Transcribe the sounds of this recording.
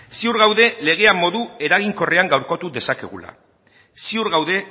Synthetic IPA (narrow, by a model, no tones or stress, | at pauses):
siuɾɣawðe̞le̞ɣ̞e̞amːo̞ðue̞ɾaɣiŋko̞reaŋɡawɾko̞t̪uðe̞sake̞̰ɣ̞ṵla̰ | siuɾɣawðe̞